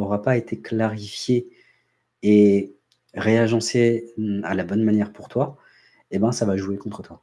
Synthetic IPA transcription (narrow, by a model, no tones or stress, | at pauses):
ɔʁapaet̪ʰeklaʁifjeː | ʁeaʒɑ̃sealabɔnmanjɛʁpuʁt̪wa | ebɛ̃savaʒuekɔ̃t̪χət̪wa